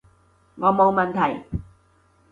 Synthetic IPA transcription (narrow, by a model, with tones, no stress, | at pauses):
ŋɔː˨˧mo˨˧wmɐ˨nt̪ʰɐ˨˩j